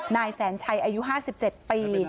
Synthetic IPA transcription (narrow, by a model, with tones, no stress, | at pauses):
naː˧jsɛː˩˦nt͡ɕʰa˧jʔaː˧ju˦˥ɦaː˥˩si˨˩p̚t͡ɕe˨˩t̪̚piː˧